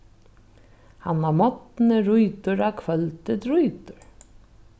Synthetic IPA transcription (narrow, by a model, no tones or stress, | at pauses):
hanːamɔt̪nəɾujt̪ʊɾakʰvœlt̪ɪt̪ɾujt̪ʊɹ